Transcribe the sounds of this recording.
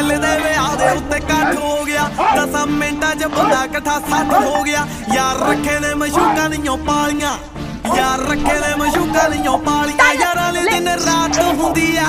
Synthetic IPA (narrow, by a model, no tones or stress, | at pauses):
led̪eːʋeaːd̪eːʊt̪ːeːkəʈʰɦoːɡɪjaːt̪ãsamẽːɳʈaːt͡ʃəbənd̪aːkəʈʰaːsənɦoːɡɪjaː | jaːɾɾəkʰːeːd̪eːmə̃ʃuːkãːnijõːpaːlijãː | jaːɾəkʰːeːd̪eːmə̃ʃuːkaːnijõːpaːlijãːjaːɾãːleːt̪ɪnɾaːt̪ɦʊ̃nd̪iːɛː